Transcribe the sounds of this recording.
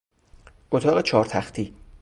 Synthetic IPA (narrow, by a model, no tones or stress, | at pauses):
ʔot̪ʰɒːɣet͡ʃʰɒːɾt̪ʰæxt̪ʰiː